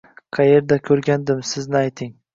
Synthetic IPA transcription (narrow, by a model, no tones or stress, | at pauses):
qʰɑje̞ɾd̪akʲʰɵɾɡʲand̪ɪmsɪznɪajt̪ʰɪŋ